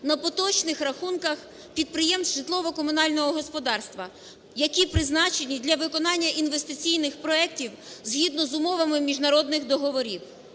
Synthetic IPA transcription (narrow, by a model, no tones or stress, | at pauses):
nɐpɔt̪ɔt͡ʃnɪxɾɐxunkɐx | pʲid̪̚pɾɪjɛmsʒɪt̪lˠɔʋɔkɔmʊnɑlʲnɔɦɔɦɔspɔd̪ɑrst̪ʋɐ | jɐkʲipɾɪznɑt͡ʃenʲid̪ʲlʲɐʋɪkɔnɑnʲːɐʔinʋest̪ɪt͡sʲijnɪxpɾɔɛktʲiwzɦʲid̪nɔzʊmɔʋɐmɪmʲiʒnɐɾɔd̪nɪxd̪ɔɦɔʋɔɾʲiw